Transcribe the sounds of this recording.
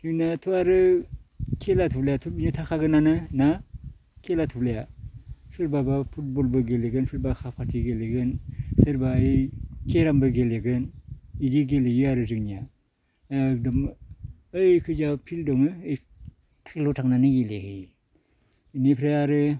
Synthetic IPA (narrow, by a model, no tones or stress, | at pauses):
hɯnatʰuaɾɯ | kʰelatʰuplejatʰupinutʰakʰaɡɯnanɯna | kʰelatʰupleja | sɯɾbabapʰut̚bolbɯɡeleɡɯnsɯɾbakʰapʰatʰiɡeleɡɯnsɯɾbaɯkʰeɾambɯɡeleɡɯniɡiɡelejuaɾɯzɯknija | k̚dɯm | ɯjkʰɯd͡ʒapʰildɔŋɯɯj | tʰaklotʰaŋnanɯɡelehɯj | inipʰɾajaɾɯ